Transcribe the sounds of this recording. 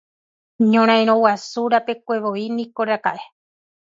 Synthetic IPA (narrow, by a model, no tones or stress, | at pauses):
ɲõɾ̃ãj̃ɾ̃owasuɾape̞kʷe̞ʋo̞inĩko̞ɾaka̰ʔe